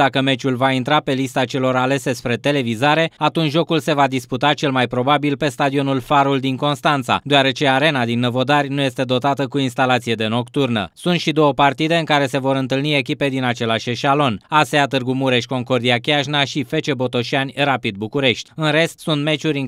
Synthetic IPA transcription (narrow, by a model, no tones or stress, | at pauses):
d̪akəme̞t͡ʃulvaint̪ɾape̞list̪at͡ʃe̞lo̞ɾale̞se̞spɾe̞t̪e̞le̞vizaɾe̞at̪unt͡ʃʒo̞kulse̞vad̪isput̪at͡ʃe̞lmajpɾo̞babilpe̞st̪ad̪io̞nulfaɾuld̪iŋko̞nst̪ant̪sa̰d̪oaɾe̞t͡ʃe̞aɾe̞nad̪inːəvo̞d̪arʲnuje̞st̪e̞d̪o̞t̪at̪əkuinst̪alat̪sije̞d̪e̞no̞kt̪urnə̰sunt̪ʃid̪o̞wəpart̪id̪e̞ɨŋkaɾe̞se̞vo̞ɾɨnt̪ɨlnie̞kʲipe̞d̪inat͡ʃe̞laʃeʃalo̞naseat̪ɨrɡumuɾe̞ʃʲko̞ŋko̞rd̪iakʲeaʃnaʃife̞t͡ʃe̞bo̞t̪o̞ʃianʲrapid̪̚bukuɾe̞ʃt̪ʲɨnɾe̞st̪sunt̪me̞t͡ʃuɾʲ